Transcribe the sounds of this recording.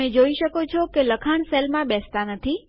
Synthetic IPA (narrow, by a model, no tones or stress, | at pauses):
ed͡ʒoiʃəkot͡ʃʰɔkeləkʰaɳ̃selmãbɛst̪anət̪ʰi